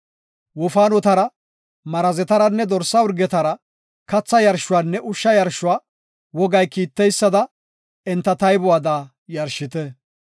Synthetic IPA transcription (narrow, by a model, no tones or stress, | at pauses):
wɔfaːnɔt̪ɐɾɐ | mɐɾɐzɛt̪ɐɾɐnːɛd̪ɔɾsːɐʊɾɡɛt̪ɐɾɐ | kɐt͡sːɐjɐɾʃʊwaːnːɛʔʊʃːɐjɐɾʃʊwaː | wɔɡɐjkiːt̪ːɛjsːɐd̪ɐ | ɛnt̪ːɐt̪ɐjbʊwaːd̪aː | jɐɾʃːɪt̪ɛ